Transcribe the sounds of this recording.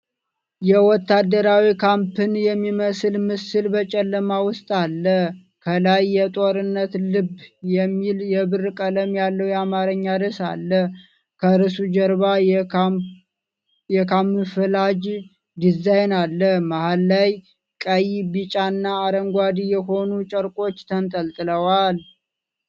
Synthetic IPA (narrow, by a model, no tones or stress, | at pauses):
jɛwɔt̪ːad̪əɾawikʰampʰɨnjɛmːiməsɨlmɨsɨlbət͡ʃʼɛlːəmawʊst̪ʼalːəh | kʰəlajːɛt̪ʼoɾɨnːət̪lɨbjɛmːiljɛbɨrkʼələmjalːəwjɛamaɾəɲːad̪əsa̰lːə | kʰəɾɨsud͡ʒəɾba | jɛkʰamːɨfɨlad͡ʒ | d̪izajnalːəhmahalːaj | kʼəjibɨt͡ʃʼanːaːɾəŋɡʷad̪ijɛɦo̞nut͡ʃʼəɾkʼo̞t͡ʃːt̪ʰənt̪ʼəlt̪ʼɨləwal